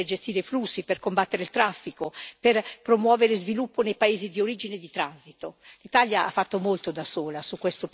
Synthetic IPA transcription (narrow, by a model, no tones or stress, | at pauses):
erd͡ʒest̪iːɾeflusːiperkombat̪ːeɾeilt̪ɾafːikoperpɾomwɔːveɾezvilupːonejpaeːzid̪ioɾiːd͡ʒined̪it̪ɾanzit̪olit̪aljaa̰fːat̪ːomolt̪od̪asoːlasukːwest̪o